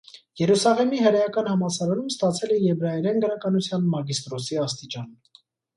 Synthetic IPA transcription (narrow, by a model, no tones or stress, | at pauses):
jɛɾusɑʁɛmiɦəɾɑjɑkɑnhɑmɑsɑɾɑɾumst̪ɑt͡sʰɛlɛjɛvɾɑjɛɾɛnɡəɾɑkɑnut͡sʰjɑnmɑɡist̪ɾɔsiɑst̪it͡ʃɑn